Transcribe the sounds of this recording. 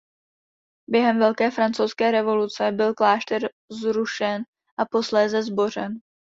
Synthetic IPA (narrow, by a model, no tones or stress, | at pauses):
bjɛɦɛmvɛlkɛːfɾant͡sowskɛːɾɛvo̞lut͡sɛbɪlklaːʃt̪ɛɾ | zɾuʃɛn | ʔapo̞slɛːzɛzbo̞r̝ɛn